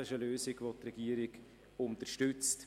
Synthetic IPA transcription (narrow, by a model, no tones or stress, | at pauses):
ɪʃəløːsɪɡʋot̪rɛɡiːəɾɪɡ | ʊnt̪ərʃtʏt͡st